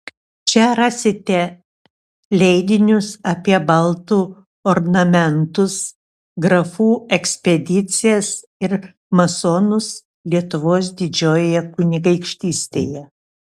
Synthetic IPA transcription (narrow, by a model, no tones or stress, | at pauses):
t͡ʃʲɛɾɑːsʲɪt̪ʲɛ | lʲɛɪd̪ʲɪnʲʊsɐpʲiɛbɐlˠt̪uː | oɾnɐmʲɛnt̪ʊs | ɡɾɐfuːɛksʲpʲɛd̪ʲɪt̪sʲɪjɛs | ɪɾ | mɐsoːnʊs | lʲiɛt̪ʊʋoːs̬d̪ʲɪd͡ʒʲoːjojɛkʊnʲɪɡɐɪkʃʲt̪ʲiːsʲt̪ʲḛːjɛ